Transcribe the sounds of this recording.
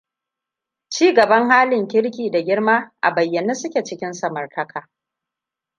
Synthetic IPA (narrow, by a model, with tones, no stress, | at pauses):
t͡ʃiː˦ɡɐ˨bɐ˦ŋhaː˦lɪ˨ŋkʲɪ˦ɽkʲiː˨da˨ɡʲɪ˦ɽmaː˦ʔa̰˨bɐ˨jːɐ˨neː˦sʊ˦kʲe˨t͡ʃɪ˦kʲɪ˦nsɐ˨mɐ˨rtʰɐ˦kʰaː˨